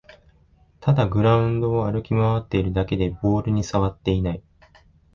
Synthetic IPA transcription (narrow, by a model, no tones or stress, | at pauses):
t̪ad̪aɡɯ̟ɾaɯ̟̃nd̪o̞ːaɾɯ̟kʲimaβat̪ːe̞iɾɯ̟d̪ake̞d̪e̞bo̞ːɾɯ̟ɲ̟isaβat̪ːe̞inai